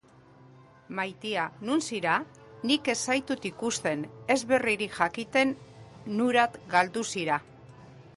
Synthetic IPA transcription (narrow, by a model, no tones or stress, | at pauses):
majt̪ianunsiɾa | nike̞sajt̪ut̪ikust̪e̞ne̞zβe̞riɾiʝakit̪e̞nː | uɾat̪ɡald̪usiɾa